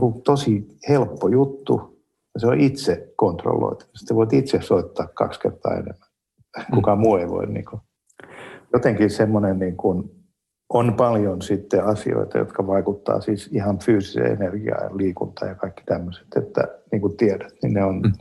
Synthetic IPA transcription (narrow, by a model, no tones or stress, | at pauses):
kut̪osihelpːojut̪ːṵ | jɑseoʔit̪sekont̪ro̰lːo̰it̪u̥ɑst̪seʋoit̪it̪sessoit̪ːɑːkkɑ̰kskḛrt̪ɑ̰ːḛnḛmːæn | kukɑmuːeiʋo̰innḭːŋku | jot̪eŋkisemːonenniːŋkun | ʔonpɑljonsit̪ːeɑsḭo̰it̪ɑ̰jo̰t̪kɑʋɑikut̪ːɑ̰ːsiːsihɑnfyːsi̥sḛḛnerɡ̥iɑ̰jlliːkunt̪ɑjɑkɑikːi̥t̪æmːøse̥t̪ḛt̪ːæ̰niːŋkut̪iɛdæt̪nḭnneon